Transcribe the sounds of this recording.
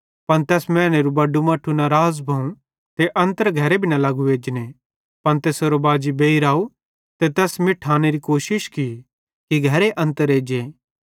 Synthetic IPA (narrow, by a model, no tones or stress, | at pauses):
pɐnt̪ɛːsmɛ̃ːneɾubɐɖːumɐʈʰːunaɾaːzbʱɐũ | t̪eʔɐ̃nt̪əɾɡʱɐɾebʱɪnalɐɡueːd͡ʒne | pɐnt̪esoɾobaːd͡ʒibeːiɾaːu | t̪et̪ɛːsmɪʈʰaːneɾikoːʃɪʃki | kiɡʱɐɾeʔɐ̃nt̪əɾeːd͡ʒeː